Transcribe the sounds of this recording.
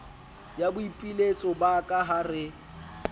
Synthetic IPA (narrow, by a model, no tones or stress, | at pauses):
jabʊipʼilet͡sʼɔbakʼaɦarɪ